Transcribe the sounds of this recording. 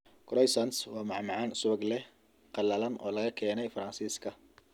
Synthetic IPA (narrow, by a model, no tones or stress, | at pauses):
kʰɾɔjsɐnswɑːmɑʕmɑʕɑnʊsʊβɐɡlɛ | qɑlɐlɐnʔɔ̰ːlɐɣɐkʰɛːnɛjfɐɾɐnsiːskʰɐ